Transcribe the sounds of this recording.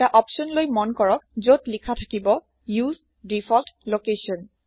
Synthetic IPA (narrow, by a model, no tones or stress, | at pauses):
aʔɔpsɔnlojmɔnkɔɹɔk̚zotlikʰatʰakibɔ | jus | difʰɔltlokesɔn